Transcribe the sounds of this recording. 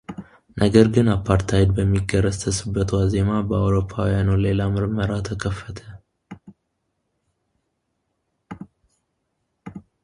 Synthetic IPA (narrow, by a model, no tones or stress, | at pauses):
nʔəɡəɾɡɨnapʰːaɾt̪ʰajd̪bəmːiɡəɾəzt̪ʰəsɨbːət̪waze̞mabəawɾo̞pʰːawijanule̞lamɨɾməɾat̪ʰəkʰəfːət̪ʰə